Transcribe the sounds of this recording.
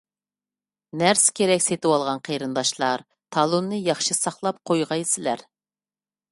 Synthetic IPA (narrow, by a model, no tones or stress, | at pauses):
næɾskʲʰeɾɛkʲset̪ɨwɑlˠʁɑnqʰeɾɨnd̪ɑʃlˠɑɾ | t̪ʰɑlˠonːɨjɑχʃɨsɑχlˠɑp̚qʰojʁɑjsɪlæɾ